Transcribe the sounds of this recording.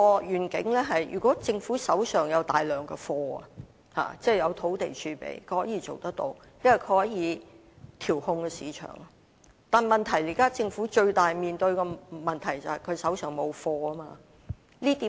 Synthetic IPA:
ɔː˧jyː˨˩nkɪ̰˨˥ŋlɛː˥ɦɐ˨jjy̰˨˩kʷɔː˨˥t͡sɪ˧ŋfuː˨˥sɐ˨˥wsœː˨˩ŋjɐ˨˧wt̪aː˨jlœː˨˩ŋkɛ˧fɔː˧ɐ̰˨ | ha̰ː˨t͡sɛː˥˩jɐ˨˧wt̪ʰo˨˧˥wt̪e˨jt͡ʃʰyː˨˧pḛ˨˩jkʰɵ˨˧˥hɔː˨˥jiː˧˥t͡ʃo̰˨wt̪ɐ˥k̚t̪o̰˧w | jɐ˥wɐ˨˩kʰɵ˨˧˥hɔː˨˥jiː˨˧˥ | t̪ʰiː˨˩whʊ˧ŋkɛ˧siː˨˥t͡ʃʰœ̰ː˨˩ŋ | t̪aː˨nmɐ˨nt̪ʰɐ˨˩jli˨˩kaː˥t͡sɪ˧ŋfuː˨˥t͡ʃɵ˧ɥt̪aː˨jmiː˨nt̪ɵ˧ɥkɔ˧mɐ˨nt̪ʰɐ˨˩jt͡sɐ˨hɐ˨jkʰɵ˨˧ɥsɐ˨˥wsœː˨˩ŋmo˨˧wfɔː˧ɐ˥maː˧ | liː˥t̪iː˨˥

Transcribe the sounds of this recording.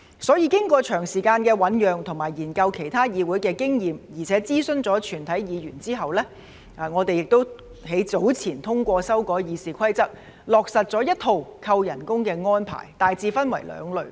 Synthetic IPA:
sɔː˨˥jiː˧kɪ˥ŋkʷɔː˧t͡ʃʰœː˨˩ŋsiː˨˩kaː˧nkɛː˧wɐ˨˥njœː˨ŋt̪ʰʊ˨˩ŋmaː˨˩jiː˨˩nkɐ˧wkʰe˨˩jt̪ʰaː˥jiː˨˧wu˨˥jkɛː˧kɪ˥ŋjiː˨mjiː˨˩t͡sʰɛː˨˥t͡siː˥sɵ˧nt͡sɔː˨˥t͡ʃʰyː˨˩nt̪ʰɐ˨˥jjiː˨˧jyː˨˩nt͡siː˥ɦɐ˨wlɛː˥ | ʔaː˨ŋɔː˨˧t̪e˨jɪ˨k̚t̪o˥w | ɦe˨˥jt͡so˨˥wt͡sʰiː˨˩nt̪ʰʊ˥ŋkʷɔː˧sɐ˥wkɔː˨˥jiː˨˧siː˨kʰɐ˥jt͡sɐ˥k̚ | lɔː˨˩k̚sɐ˨t̚t͡sɔː˨˥jɐ˥t̚t̪ʰo˧wkʰɐ˧wjɐ˨˩nkʊ˥ŋkɛː˧ŋɔː˥npʰa̰ː˨˩jt̪aː˨jt͡siː˧fɐ˥nwɐ˨˩jlœ̰ː˨˧ŋlɵ˨ɥ

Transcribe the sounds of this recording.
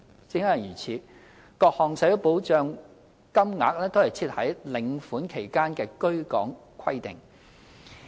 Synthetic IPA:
t͡sɪ˨˧ŋhɐ˨jjyː˨˩t͡sʰiː˨˧ | kɔː˧k̚hɔː˨ŋsɐ˨˥po˨˥wt͡ʃœː˧ŋ | kɐ˥mŋa̰ː˨˥k̚lɛː˥t̪o˥whɐ˨jt͡sʰiː˧t̚hɐ˨˥jlɪ˨˧ŋfuː˨˥nkʰe˨˩jkaː˥nkɛː˧kɵ˥ɥkɔ̰ː˨˥ŋ | kʰɐ˥jt̪ɪ˨ŋ

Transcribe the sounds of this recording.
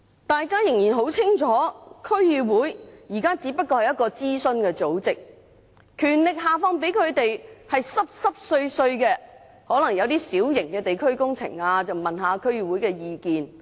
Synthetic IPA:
t̪aː˨˧jkaː˥jɪ˨˩ŋjiː˨˩nɦo˨˥wt͡sʰɪ˥ŋt͡ʃʰɔː˨˥kʰɵ˥ɥjyː˧wuː˨˥jjiː˨˩kaː˥t͡siː˨˥pɐ˥t̚kɔː˧hɐ˨jɐ˥t̚kɔː˧t͡siː˥sɵ˧nkɛː˧t͡so˨˥wt͡sɪ˨k̚ | kʰyː˨˩nlɪ˨k̚ɦaː˨fɔː˧ŋp̬e˨˥jkʰɵ˨˧ɥt̪e˨jhɐ˨jsɐ˥p̚sɐ˥p̚sɵ˧ɥsɵ˧ɥkɛː˧ | hɔː˨˥lɐ˨˩ŋjɐ˨˧wt̪iː˥siː˨˥wjɪ˨˩ŋkɛː˧t̪e˨jkʰɵ˥ɥkʊ˥ŋt͡sʰɪ̰˨˩ŋaː˧t͡sɐ˨wmɐ˨nɦaː˨˧kʰɵ˥ɥjyː˨˩wuː˨˥jkɛː˧jiː˨˧kiː˨n

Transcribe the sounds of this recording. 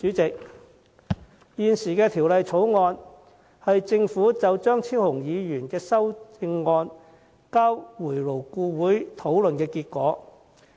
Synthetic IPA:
t͡ʃyː˨˥t͡sɪ˨k̚ | jiː˨nsiː˨˩kɛː˧t̪ʰiː˨˩wlɐ˨jt͡sʰo˨˥wŋɔː˧n | hɐ˨jt͡sɪ˧ŋfuː˨˥t͡sɐ˨wt͡ʃœː˥ŋt͡sʰiː˥whʊ˨˩ŋjiː˨˧jyː˨˩nkɛː˧sɐ˥wt͡sɪ˧ŋːɔː˧n | kaː˥wwuː˨˩jlo˨˩wkuː˧wuː˨˥jt̪ʰo˨˥wlɵ˨nkɛː˧kiː˧t̚kɔː˨˥

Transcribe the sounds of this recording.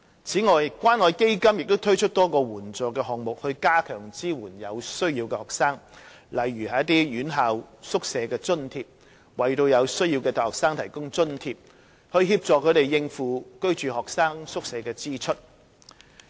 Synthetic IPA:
t͡sʰiː˨˥ŋɔː˨jkʷaː˥nːɔː˨˧jke˥jkɐ˥mjɪ˨k̚t̪o˥wt̪ʰɵ˥ɥt͡ʃʰɵ˥t̚t̪ɔː˥kɔː˧wuː˨˩nt͡sɔː˨kːɛː˧ɦɔː˨k̚mʊ˨k̚hɵ˧ɥkaː˥kʰœː˨˩ŋt͡siː˥wuː˨˩njɐ˨˧wsɵ˥ɥjiː˧wkɛː˧hɔː˨ksaː˥ŋ | lɐ˨jɥyː˨˩hɐ˨˧jɐ˥t̪̬iː˥jyː˨˥nɦaː˨wsʊ˥k̚sɛː˨˧kɛː˧t͡sɵ˥nt̪ʰiː˧p̚ | wɐ˨jt̪o˧wjɐ˨˧wsɵ˥ɥjiː˧wkɛː˧t̪ʰaː˨˩jhɔː˨ksaː˥ŋt̪ʰɐ˨˩jkʊ˥ŋt͡sɵ˥nt̪ʰiː˧p̚ | hɵ˧ɥɦiː˧p̚t͡sɔː˨kʰːɵ˨˧ɥt̪e˨˩jːɪ˧ŋfuː˨˧kɵ˥ɥt͡ʃyː˨˩hɔː˨k̚saː˥ŋsʊ˥k̚sɛː˨˧kɛː˧t͡siː˥t͡ʃʰɵ˥t̚

